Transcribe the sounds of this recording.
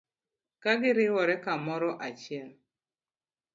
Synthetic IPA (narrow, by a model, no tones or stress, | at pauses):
kaɡɪɾɪwɔɾɛkamɔɾɔʔat͡ʃjɛl